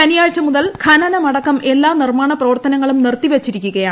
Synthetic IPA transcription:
ɐnijaːɻt͡ɕːɐmuðɐlkʰɐnɐnɐmɐɽɐkːɐme̞lːaːnirmaːɳɐprɐʋɐrt̪ɐnɐŋːɐɭumnirt̪iʋet͡ɕːiɾikʲːuɣɐjaːɳ

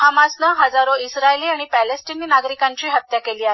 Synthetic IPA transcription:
ɦamasnaɦəd͡zaɾoisɾaeliːaɽ̃ipælesʈiniːnaɡɾikaɲt͡ɕiːɦət̪ːjakeliːae

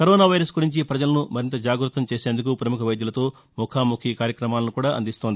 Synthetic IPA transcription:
kɐɾɔːnaːʋɐjɾɐsɡuɾiɲt͡ʃipɾɐd͡ʒɐlɐnumɐɾint̪ɐd͡ʒaːɡɾut̪ːɐmt͡ʃeːseːnd̪uk̬upɾɐmukʰɐʋɐjd̪julɐt̪o̞ː | mukʰaːmukʰikaːɾjɐkɾɐmaːlɐnukuːɽaːʔɐ̰nd̪ist̪ond̪i

